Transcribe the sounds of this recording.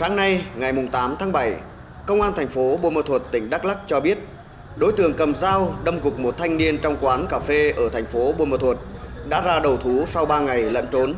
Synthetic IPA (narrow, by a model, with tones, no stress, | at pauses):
xaː˨˦ŋna˧jŋa˨˩jmʊ˨˩ŋ͡mt̪aː˨˦mt̪ʰaː˨˦ŋɓa˧˩j | kə˧wŋ͡mʔaː˧nt̪ʰa˨˩ŋ̟fo˨˦ɓo̰˧məː˧˩t̪ʰwə˨˩t̚t̪ï˧˩ŋ̟ɗaː˦˥k̚la˦˥k̚t͡ɕɔ˧ɓi˦˥ət̚ | ɗo˨˦jt̪ɨ˧˩əŋkə˨˩mzaː˧wɗə˧ŋ͡mɣʊ˨˩k͡p̚mo˨˩t̚t̪ʰa˧jŋ̟ni˧ənt͡ɕɔ˧wŋ͡mkwaː˨˦nkaː˨˩fe˧ʔəː˧˩t̪ʰa˨˩jŋ̟fo˨˦ɓo̰˧˩məː˨˧˩t̪ʰwə˨˩t̚ɗa̰ː˧˥zaː˧ɗə˨˩wt̪ʰu˨˦sa˧wɓaː˧ŋa˨˩jlə̰˧˥nt͡ɕo˨˦n